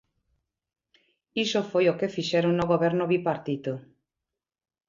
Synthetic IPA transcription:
isofojokefiʃɛɾoŋnoɣoβɛɾnʊβipaɾt̪it̪o

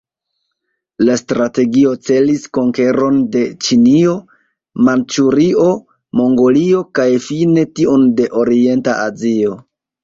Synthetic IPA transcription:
lastɾate̞ɡio̞t͡se̞lisko̞ŋke̞ɾo̞nde̞t͡ʃinio̞ | mant͡ʃuɾio̞ | mo̞ŋɡo̞lio̞kajfine̞tionde̞ʔo̞ɾie̞nta̰azio̞

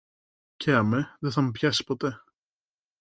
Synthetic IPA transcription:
ceɐmeðeθɐmepçasi̥pot̪e

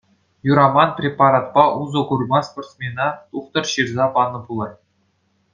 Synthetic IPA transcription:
juɾɑmɑnprʲepɑɾɑt̪̚pɑʔuzɤ̆ɡurmɑsport̪smʲenɑt̪uχt̪ɤ̆rɕirzɑpɑnɤ̆pulˠɑj

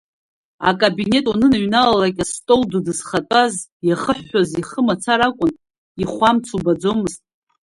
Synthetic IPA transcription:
a̰kʼabine̞tʼunɨnɨɥnalalakʲʼastʼoldudɨzχatʼazjaχəħːaziχəmat͡sʰaɾakʷʼʊn | iχʷamt͡sʰubad͡zo̞mɨztʼ

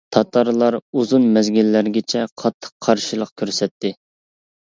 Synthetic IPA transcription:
t̪ʰɑt̪ʰɑɾlˠɑɾuzunmɛzɡʲilːæɾɡʲɪt͡ʃʰɛqʰɑt̪ʰːə̥qʰːɑɾʃilˠəq̚kʲʰøɾsɛt̪ʰːɪ

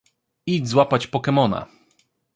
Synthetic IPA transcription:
id͡ʑzwapat͡ɕpɔkɛmɔna̰

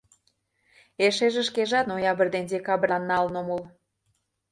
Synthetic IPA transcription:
eʃeʒĕʃkeʒɑt̪nojɑβə̆rd̪end̪ʲekɑbrɑnːɑlnomol

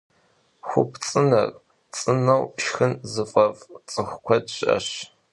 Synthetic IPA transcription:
xʷʊ̰pʰt͡sʼɨnɐ̰r | t͡sʼɨnɐwʃxɨnzɨfʼɐvt͡sʼɨxʷʊkʷʰɔtʼɐ̰ɕ

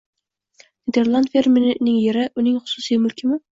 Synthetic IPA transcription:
nʲed̪e̞ɾlˠand̪fʲeɾmɪnɪŋjeɾɪʔʊnɪŋχʊ̥sʊsijmʊlkʲʰɪmɪ

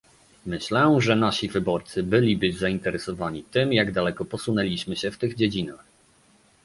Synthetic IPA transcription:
mɘɕlɛʐɛnaɕivɘbɔɾt̪sɘbɘlʲibɘzaint̪ɛɾɛsɔvaɲit̪ɘmjaɡd̪alɛkɔpɔsunɛlʲiɕmɘɕɛft̪ɘɣd͡ʑed͡ʑinax

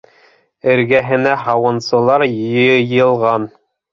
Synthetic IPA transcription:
ɘ̆ɾɡæɦɘ̆næɦɑwɤ̆nsɤ̆lˠɑɾjjɤjɤ̆lˠʁɑn

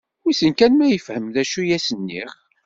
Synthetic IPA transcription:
wisənkænmæjəfhəmðæʃujæsənːḭχ

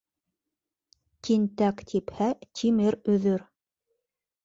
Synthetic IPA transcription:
t̪ʲint̪ækt̪ʰiphæt̪ʲʰimɘɾɵ̆ðɵɾ

